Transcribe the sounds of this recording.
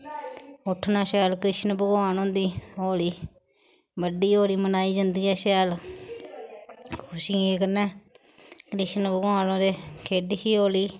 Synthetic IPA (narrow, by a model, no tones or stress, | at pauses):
ʊʈʰːnaːʃɛːlkɾɪʃnbəɡwaːnõːd̪iːoːliː | ʋəɖiːoːliːmənaːiːd͡ʒɪnd̪iːɛːʃɛːl | kʰʊʃiːeːkənɛː | kɾɪʃnbəɡwaːnõːd̪eːkʰeːɖiːkiːoːliː